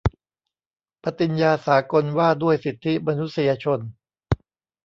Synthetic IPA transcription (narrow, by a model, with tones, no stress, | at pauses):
pʰa˦˥t̪i˧njaː˧saː˩˦ko˧nwaː˥˩du˥˩əjsi˨˩t̪ʰːi˦˥ma˧nu˦˥t̪̚si˧jaː˧t͡ɕʰo˧n